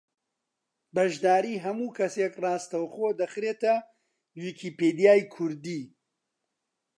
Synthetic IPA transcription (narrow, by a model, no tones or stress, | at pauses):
bɐʒd̪aːɾiːɦɐmuːkʰɐseːkrɑːst̪ɐwxoːd̪ɐxɾeːt̪ɐ | wikʰiːpeːd̪ijaːjkʰʊɾd̪iː